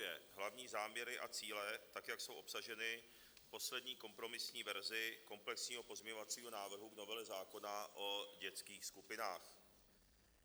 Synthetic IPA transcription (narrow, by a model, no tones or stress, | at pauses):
jɛ̰ɦlavɲiːzaːmɲɛɾɪʔat͡siːlɛt̪akjakso̞wʔo̞psaʒɛnɪ | fpo̞slɛd̪ɲiːko̞mpɾo̞mɪsɲiːvɛɾzɪko̞mplɛksɲiːɦo̞po̞zmɲɛɲovat͡siːɦo̞naːvr̩ɦuɡno̞vɛlɛzaːko̞naʔo̞ɟɛt͡skiːxskupɪnaːx